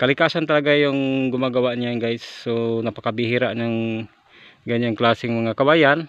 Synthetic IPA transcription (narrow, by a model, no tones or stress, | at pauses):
kalikasant̪alaɡajoŋɡumaɡawaʔɲaŋɡaɪsːunapakabiɦiɾaʔɲaŋ | ɡaɲaŋklasɪŋmaŋakawajan